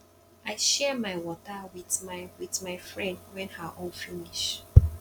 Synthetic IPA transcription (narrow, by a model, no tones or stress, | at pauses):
aɪʃɛmaɪwɔtawiðmaɪwiðmaɪfɹɛ̃ndwɛ̃nhaʔɔlfiniʃ